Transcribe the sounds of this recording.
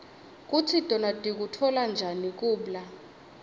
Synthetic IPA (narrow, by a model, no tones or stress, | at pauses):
k̬ʼutʰidʱɔnadʱik̬utʰɔland͡ʒʱanik̬uːɓla